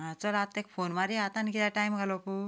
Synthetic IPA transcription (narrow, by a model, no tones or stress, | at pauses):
ɦãt͡səlat̪ːekfonmaɾiat̪ankilaʈajmɡʱalopu